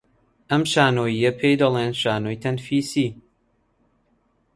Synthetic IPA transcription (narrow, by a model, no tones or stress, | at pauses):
ʔɐmʃaːnoːjijɐpʰejd̪ɐlˠeːnʃaːnoːjt̪ʰɐnfiːsiː